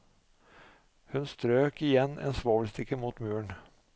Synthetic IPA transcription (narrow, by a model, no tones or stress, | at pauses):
hʉnst̪ɾøːkɪjɛnːḛːnsʋoːʋəlst̪ɪkːəmuːt̪mʉːɳ